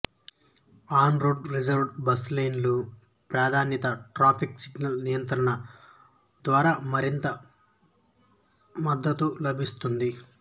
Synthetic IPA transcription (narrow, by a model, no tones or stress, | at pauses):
aːnɾoːɖɾid͡ʒɐɾɖbɐslejnloː | pɾaːd̪ʱaːnjɐt̪ɐʈɾaːpʰiksiɡnɐlnijɐnt̪ɾɐɳɐ | d̪ʋaːɾaːmɐɾint̪ɐ | mɐd̪ːɐt̪ulɐbʱist̪und̪i